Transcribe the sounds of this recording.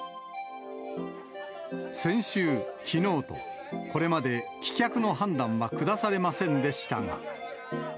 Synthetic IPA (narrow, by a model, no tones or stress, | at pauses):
sẽ̞ɰ̃ɕɨːkʲino̞ːt̪o̞̰ | ko̞ɾe̞mad̪e̞kʲi̥kʲakɯ̟no̞ɦãnd̪ãɰ̃βakɯ̟d̪asaɾe̞masẽ̞nd̪e̞ɕi̥t̪a̰ŋa̰